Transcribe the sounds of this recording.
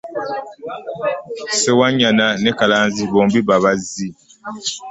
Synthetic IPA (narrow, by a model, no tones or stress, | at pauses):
sɛwaɲananɛkalanzibɔŋbibaβazi